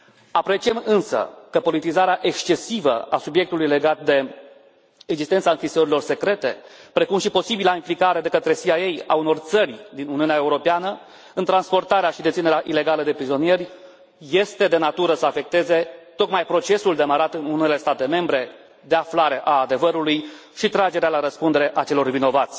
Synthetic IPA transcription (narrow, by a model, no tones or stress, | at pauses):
apɾe̞t͡ʃie̞mɨnsə̰kəpo̞lit̪izaɾeaʔe̞kst͡ʃe̞sivə̰asubje̞k̚t̪ulujle̞ɡat̪̚d̪e̞ | eɡzist̪et̪saɨŋkʲisoɾilo̞rse̞kɾe̞t̪e̞pɾe̞kumʃipo̞sibilaimplikaɾe̞d̪e̞kət̪ɾe̞siaeja̰uno̞rt̪sərʲd̪inuniunaeuɾo̞peanə | ɨnt̪ɾanspo̞rt̪aɾeaʃid̪et̪sine̞ɾeaʔile̞ɡaləd̪e̞pɾizo̞nije̞rʲ | je̞st̪e̞d̪e̞nat̪uɾəsəafe̞k̚t̪e̞ze̞t̪o̞kmajpɾo̞t͡ʃe̞suld̪e̞maɾat̪ɨnune̞le̞st̪at̪e̞me̞mbɾe̞ | d̪e̞aflaɾe̞ʔaːd̪e̞vəɾuluj | ʃit̪ɾad͡ʒe̞ɾealaɾəspund̪e̞ɾe̞ʔat͡ʃelo̞rvino̞vat̪sʲ